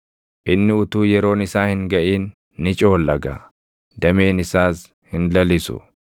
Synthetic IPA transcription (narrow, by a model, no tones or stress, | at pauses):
ʔɪnːɪʊt̪uːjɛɾo̞ːnɪsaːhɪŋɡɐʔiːnː | ɪt͡ʃʼo̞ːlːɐɡɐ̰ | d̪ɐmeːnɪsaːs | hɪnlɐlɪsʊ̰